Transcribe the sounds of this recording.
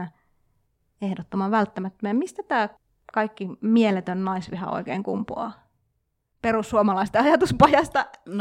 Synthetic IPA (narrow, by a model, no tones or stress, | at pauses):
æ | ehdot̪ːomɑʋælt̪ːæmæt̪ːømæɑmist̪æt̪æː | kɑikːimielet̪ønnɑisʋihɑ̰o̰ikḛːŋkṵmpṵɑ̰ː | peɾusːuomɑlɑist̪eɑjɑt̪uspɑjɑst̪ɑ